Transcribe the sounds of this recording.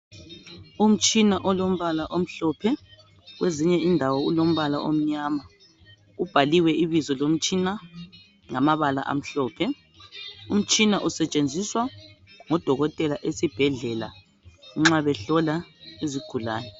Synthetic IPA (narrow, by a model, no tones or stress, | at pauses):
um̩t͡ʃʼinaʔɔlom̩βalaʔom̩ɬɔːpʰɛ | ɣweziɲɛindʱawɔulom̩βala̰ʔo̰m̩ɲaːma | ub̥ʱaliwɛiβizɔlom̩t͡ʃʼina | ŋamaβala̰ʔa̰m̩ɬɔːpʰɛ | um̩t͡ʃʼinaʔusɛt͡ʃʼend͡zʱiswaŋɔd̥ʱɔɣɔtʼɛlaʔesib̥ʱɛɮɛla̰ | ŋ͡ǁaβɛɬɔlaiziɡ̥ʱula̰ːnɛ